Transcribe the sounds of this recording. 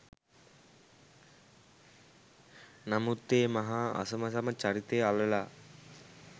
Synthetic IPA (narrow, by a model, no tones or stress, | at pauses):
nɐmut̪ːeːmɐɦaɐ̰sɐmɐsɐmɐt͡ʃɐɾit̪ealɐla